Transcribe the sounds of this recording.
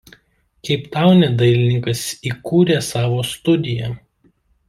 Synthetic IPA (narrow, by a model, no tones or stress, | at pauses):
kʲɛɪpt̪ɑˑʊnʲɛd̪ɐɪlʲɪnʲɪŋkɐsiːkuːɾʲeːsɑːʋoːst̪ʊd̪ʲɪjɛ